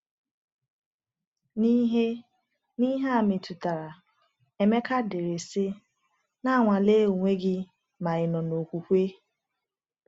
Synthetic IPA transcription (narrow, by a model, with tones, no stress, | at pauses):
ni˦ɦe˦ | ni˦ɦe˦a˦˨mɪ˨tu˨ta˨ɾa˨ | e˨me˦ka˦de˨ɾe˨sɪ˦ | na˦˨ŋʷa˨le˦o˨ŋʷe˦ɡɪ˦ | ma˨ɪ˨nɔ˨no˨kʷu˨kʷe˦